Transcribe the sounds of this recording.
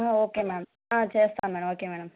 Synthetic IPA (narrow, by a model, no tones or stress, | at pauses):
oːkemeːɽɐm | ãːt͡ʃeːst̪ãːmɛːɽɐmoːkemeːɽɐm